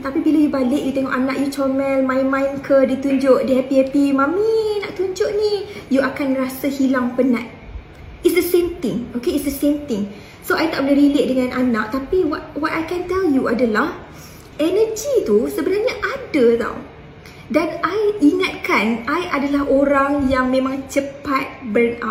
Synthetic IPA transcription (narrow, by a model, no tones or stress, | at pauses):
t̪apibilajubalɪʔjut̪ɛŋɔʔanaʔjut͡ʃɔmɛlmãjmãjnkʰədit̪uɲd͡ʒoʔdiɛpiɛpimãminaʔt̪uɲd͡ʒʊʔnijuakanrasahilaŋpəna̰t̪̚ | itsdəsemt̪ɪ̃ŋokeitsdəsemt̪ɪŋ | soajt̪aʔbolɪɾilet̪̚dəŋãnʔanaʔ̚t̪apiwɔt̪̚wɔt̚ajkɛnt̪ɛljuadalah | ʔɛnəd͡ʒit̪usəbənarɲaʔadət̪a̰w | danajiŋat̪̚kanajʔadalaɦoɾaŋjaŋmẽmãŋt͡ʃəpat̪̚bəna̰